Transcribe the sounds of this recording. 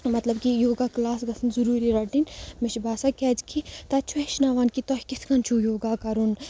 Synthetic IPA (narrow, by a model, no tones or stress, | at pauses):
mɐt̪lɐbkijoːɡaːklaːsɡɐsʰɐnzuɾuːɾiɾɐʈinmɪʃbaːsakɛːd͡ʒkʰit̪ɐt͡ʃʰueʃnaːʋaːnkit̪ɔːɦʲkɪskɐnt͡ʃʰujoːɡaːkɐɾun